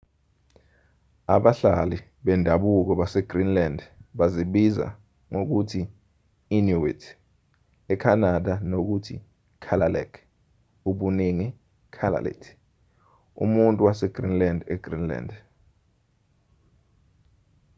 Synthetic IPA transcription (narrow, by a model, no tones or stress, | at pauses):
aɓaɬali | ɓɛndʱaɓuk̬ɔɓasɛɡ̥rinlandɓaziɓiza̰ | ŋok̬utʰiː | nuwḭtʰ | ɛkʰanaɗanok̬utʰḭ | kʰalalɛ̰kʰ | uɓuniŋi | kʰala̰lɛ̰tʰ | ṵmuntʼuwasɛɡ̥rinlandɛɡ̥rinla̰nd